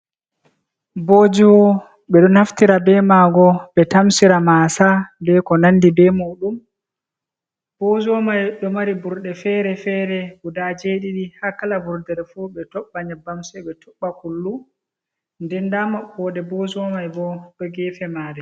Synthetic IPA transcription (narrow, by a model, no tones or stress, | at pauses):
boːd͡ʒiwɔ | ɓɛɗɔnhaftiɾabɛmaːɡɔɓɛtamsiɾamaːsandɛkɔnandibɛmuːɗum | b̥od͡ʒɔmajɗɔmaɾibuɾɗɛfɛːɾɛfɛːɾɛɡudad͡ʒeɗiɗihakalavuɾdɛɾfuɓɛtɔɓːaɲabamsɛɓɛtʰuɓːakulːu | ndɛndamaɓɔːɗɛbod͡ʒɔmajbɔɗɔɡɛːfɛmaːdɛ